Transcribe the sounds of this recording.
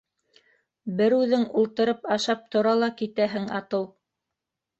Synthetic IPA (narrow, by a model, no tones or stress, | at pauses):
bɘɾʉðɘŋulˠt̪ɤ̆ɾɤpɑʃɑp̚t̪ŏɾɑlˠɑkit̪æɦɘŋɑ̰t̪ɤw